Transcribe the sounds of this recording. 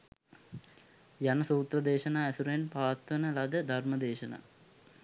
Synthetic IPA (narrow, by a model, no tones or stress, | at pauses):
jɐnɐsuːt̪rɐd̪eːɕɐnaɐsuɾenpaːt̪ʋɐnɐlɐd̪ɐd̪ʱɐrmɐd̪eːɕɐna̰